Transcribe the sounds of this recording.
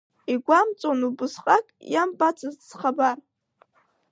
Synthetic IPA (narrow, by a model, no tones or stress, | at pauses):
iɡʷamt͡sʼonubʊsqʼakʼjambʼat͡sʰazsχabar